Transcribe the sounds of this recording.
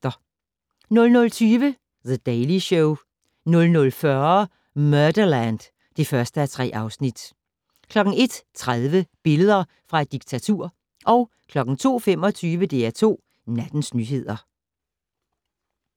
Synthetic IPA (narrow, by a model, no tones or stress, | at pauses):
ɐ | nɔ̽lnɔ̽lt͡sʰyːʋə | ðəd̥eɪliɕoʊ | nɔ̽lnɔ̽lfɶɐ | mœɐd̥ɐlænd̥ | d̥e̝fɶɐsd̥əæt͡sʰʁɛ̰ːʔɑ̈ʊsnid̥ | kʰlɒ̽ɡ̥ŋ̩e̝d̥t͡sʰʁaðˠʋəb̥e̝ləð̞ˠɐ | fʁɑ̈e̝d̥iɡ̥̚t͡sʰæt͡sʰuɐ̰ | ʔɒ̽ʊ | kʰlɒ̽ɡ̥ŋ̩t͡sʰo̝̰ːfem̰ɒ̽t͡sʰyːʋəd̥e̝æɐt͡sʰo̝̰ː | næd̥n̩snyːɦe̝ð̞̰ˠɐ